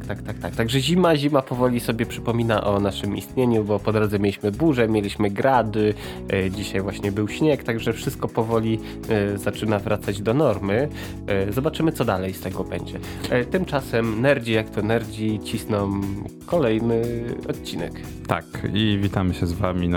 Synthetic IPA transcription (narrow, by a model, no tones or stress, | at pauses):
t̪akt̪ak̚t̪ak̚t̪aɡʐɛʑimaʑimapɔvɔlʲisɔbʲjɛpʂɘpɔmʲinaʔɔnaʂɘmḭst̪ɲeɲubɔpɔd̪ɾɔd̪zɛmjelʲiɕmɘbuʐɛmʲjelʲiɕmɘɡɾʔad̪ɘ | d͡ʑiɕajvwaɕɲɛbɘwɕɲɛkt̪aɡʐɛfʂɘst̪̚kɔpɔvɔlʲi | zat͡ʂɘnavɾʔat̪sad͡ʑd̪ɔnɔɾmɘ | zɔbat͡ʂɘmɘt̪sɔd̪alɛjst̪ɛɡɔbɛɲd͡ʑɛ | t̪ɘmt͡ʂasɛmnɛɾd͡ʑijakt̪ɔnɛɾd͡ʑit͡ɕisnɔmkɔlɛjnɘɔt̪t͡ɕinɛ̰k | t̪a̰kivʲit̪amɘɕɛzvamʲi